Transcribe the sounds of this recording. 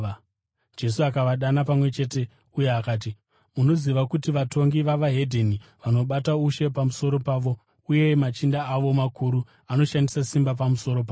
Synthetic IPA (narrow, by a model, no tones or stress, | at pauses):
d͡ʒe̞suakaʋaɗanapamwe̞t͡ʃe̞ːte̞ | uje̞akaːt̬i | uno̞ziʋakutiʋato̞ŋɡiʋaʋaɦe̞dʱeniʋano̞ɓatauʃe̞pamuso̞ɾo̞paːʋo̞ | uje̞mat͡ʃindaːʋo̞makʰuɾu | ano̞ʃandisasimbap̬amuso̞ɾo̞p̬aː